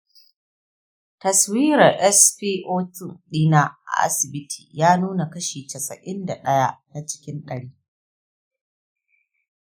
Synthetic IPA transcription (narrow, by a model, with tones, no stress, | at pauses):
tɐ˨swiː˦ɾɐ˨rʔɛ˦sɸiː˦ʔoː˦tʊ˦˨nɗiː˦na˦ʔa̰˨ʔa̰˦sɪ˨bɪ˦tʰi̥ː˨jaː˦nuː˦na˨kɐ˦ʃiː˨tɐ˨sɐ̰˨ʔɪ˦nda˨ɗɐ˦ja˦na˦t͡ʃɪ̥˦kʲɪ˦nɗɐ˨ɽiː˦